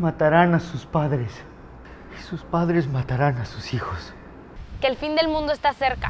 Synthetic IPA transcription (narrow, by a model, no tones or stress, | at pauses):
mat̪aɾanasuspaðɾes | isuspaðɾezmat̪aɾanasusixos | keːlfind̪e̞lmũnd̪oest̪aseɾka̰